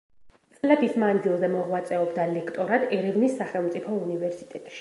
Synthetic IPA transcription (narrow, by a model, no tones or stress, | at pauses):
t̪sʼlɛbismandɡilˠzɛmɔʁwat̪sʼɛɔbd̪alɛkʰt̪ʼɔɾad̪ɛɾɛvnisːaχɛlˠmt̪sʼipʰɔunivɛɾsit̪ʼɛt̪ʼʃi̥